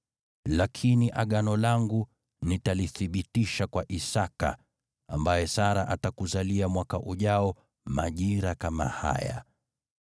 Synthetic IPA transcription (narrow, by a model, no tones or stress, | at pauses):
lakʰiniʔaɠanɔlaŋɡu | nitaliθiɓitiʃakwaʔisaka̰ | ambajɛsaɾaʔatakuzaliamwakaʔuʄaɔ | maʄiɾakama̰ha̰ja̰